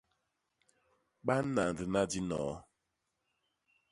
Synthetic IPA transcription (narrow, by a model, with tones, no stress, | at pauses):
ɓa˦na˨n̩˨dɨ˨na˦di˦nɔ̰ː˨˦